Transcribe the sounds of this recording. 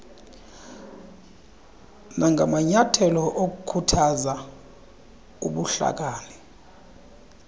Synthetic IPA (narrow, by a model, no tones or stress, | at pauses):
nʔaŋɡʱamaɲatʰɛlɔʔok̬ukʰutʰaza | uɓuɬa̰k̬aːnɛ